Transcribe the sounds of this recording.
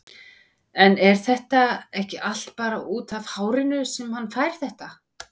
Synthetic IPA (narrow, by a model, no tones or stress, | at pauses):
ɛnɛɾ̥θɛht̪aɛhcɪʔal̥t̪̚paːɾaʔuːt̪avhaːwɾɪnʏsɛmhanːfaːjɾ̥θɛht̪a